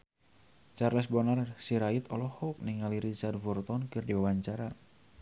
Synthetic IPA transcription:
t͡ʃarlɛsbɔnarsiɾait̪ɔlɔhɔk̚niŋaliɾit͡ʃardvɔrt̪ɔnkɨrdiwawaɲt͡ʃaɾa

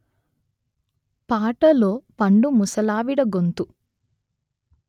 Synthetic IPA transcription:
paːʈɐlo̞ːpɐɳɖumusɐlaːʋiɽɐɡont̪u

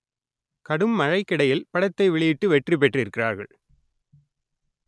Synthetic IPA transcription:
kɐɽɯmːɐɻɐɪkːɪɽɐjɪlpɐɽɐt̪ːɐɪʋɛɭɪjɪʈːɯʋɛʈrip̬ɛʈrɪɾɯkːɪraːɾɣɐ̰ɭ

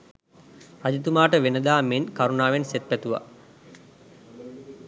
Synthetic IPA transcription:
rad͡ʒut̪umaːʈəʋenəd̪aːmenkaɾunaːʋenset̪̚pæt̪uʋa̰

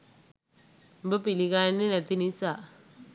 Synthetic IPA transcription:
mbəpilikaːenːenɛt̪inisa

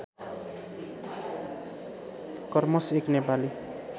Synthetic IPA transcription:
kʌrmʌseknepali

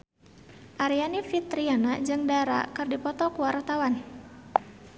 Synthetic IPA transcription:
ʔaɾianifit̪ɾianad͡ʒɨŋdaɾa̰kɨrdipɔt̪ɔkuwart̪awan

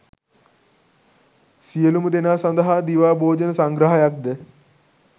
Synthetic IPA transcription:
sijəluməd̪enaːsɐ̃nd̪ɐɦad̪iʋaːbʱoːd͡ʒənəsaŋɡɾɐɦɐjak̚d̪ə

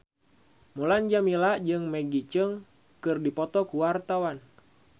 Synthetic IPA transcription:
muland͡ʒamilaʔd͡ʒɨŋmeɡit͡ʃəŋ | kɨrdipɔt̪ɔkuwart̪awan

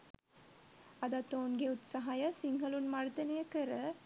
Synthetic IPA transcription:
ɐd̪at̪oːnɡeut̪sɐɦajəsiŋɡʱɐlunmaɾt̪ɐnejəkəɾə

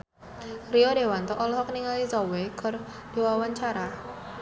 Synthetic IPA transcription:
riode̤want̪ɔʔɔlɔhɔkəniŋalisɔweɡ̥ɔ̤r | d̥e̤wawaɲt͡ʃaɾa

